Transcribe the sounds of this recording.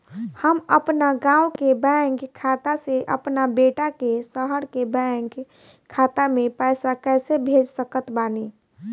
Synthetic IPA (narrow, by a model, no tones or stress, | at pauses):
həməpnaɡãːwkebɛ̃ŋɡkʰaːt̪aseʔəpnabeːʈakesəɦəɾkebɛ̃ŋɡ | kʰaːt̪amẽpəɪsakɛːsebʱeːd͡ʒsəkət̪baːne